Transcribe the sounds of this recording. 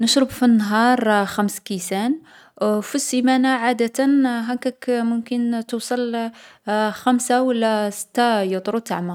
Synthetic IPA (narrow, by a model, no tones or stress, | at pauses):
nəʃɾəbfinːɦɑɾˤxæmskisæn | fisimænaʕad̪ət̪ənɦækækmʊmkənt̪usˤɑl | xæmsawəlːæsə̥t̪ːajət̪ˤɾut̪aʕma